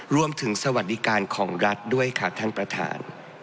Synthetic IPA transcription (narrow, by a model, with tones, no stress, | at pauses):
ɾu˧əmt̪ʰɯ˩˦ŋsa˧wa˨˩t̪̚di˧˥kaː˧nkʰɔː˩˦ŋɾa˦˥t̪̚du˥˩əjkʰa˥˩t̪ʰa˥˩ŋpɾa˧t̪ʰa̰ː˩˦n